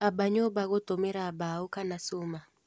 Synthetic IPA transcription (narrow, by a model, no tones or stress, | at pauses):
abaɲɔbaɣɔt̪ɔmɛɾabaukanasuma